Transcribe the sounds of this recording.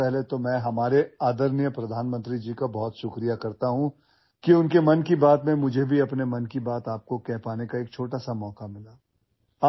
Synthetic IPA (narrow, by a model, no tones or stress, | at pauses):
ɛɦlet̪omɛ̃ɦɐmaːɾeaːd̪əɾnjəpɾɐd̪ʱaːnmə̃nt̪ɾid͡ʒiːkabɔːt̪ʃʊkɾijakɐɾt̪aɦũ | kiʊnkemɐnkibaːt̪mẽmʊd͡ʒʱebʱiɐpnemɐnkibaːt̪aːp̚kokɛɦpaːnekaeːk̚t͡ʃʰoːʈasamɔːkamɪlaː | aː